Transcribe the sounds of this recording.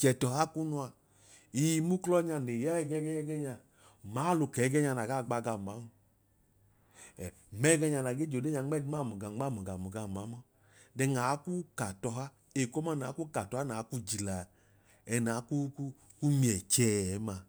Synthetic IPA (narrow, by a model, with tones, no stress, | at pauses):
t͡ʃɛ˨tɔ˨ɦa˦ku˦nu˧˦a˧ | i˨˧mu˦klɔ˦ɲa˧ne˨jɛ˦ɛ˨ɡɛ˦ɡɛ˦ɲɛ˦ɡɛ˦ɲa˧ | maː˨˦lu˧kɛ˨˦ɡɛ˦ɲa˧na˨ɡa˦˨ɡ͡ba˧˨ɡa˨ma˨˦mu˧ | ɛ˨ | mɛ˦ɡɛ˧ɲa˨˧na˨ɡe˦d͡ʒo˨de˦ɲa˨˦ŋ͡mɛ˦i˦ma˦˨mu˨ɡa˨˦a˦˨mu˨ɡa˨mu˨ɡa˨m˨a˨˦mɔ˦ | dɛ˧ŋa˨˦ku˦ka˨tɔ˧ɦa˦ | e˨kɔ˦ma˦˨n˨aː˨˦ku˦ka˨tɔ˨a˦na˨˦ku˦d͡ʒi˨la˨ | ɛ˧na˨˦ku˦ku˦ | ku˦mi˨ɛ˨t͡ʃɛː˨˦˨ma˧